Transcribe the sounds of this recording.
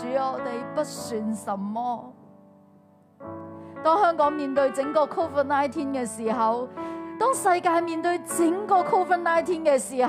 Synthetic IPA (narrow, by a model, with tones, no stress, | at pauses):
yː˨˥ɔː˨˧t̪e˨jpɐ˥t̚syː˨nsɐ˨mːɔː˥ | t̪ɔː˥ŋhœː˥ŋkɔː˨˥ŋmiː˨nt̪ɵ˧ɥt͡sɪ˨˥ŋkɔː˧kʰo˥wfə˥tnaː˥jt̪ʰiː˥nkɛː˧siː˨˩ɦɐ˨wt̪ɔː˥ŋsɐ˧jkaː˧jmiː˨˧nt̪ɵ˧ɥt͡sɪ˨˥ŋkɔː˧kʰo˥wfɐ˥n̚naː˥jt̪ʰiː˥nkɛː˧siː˨˩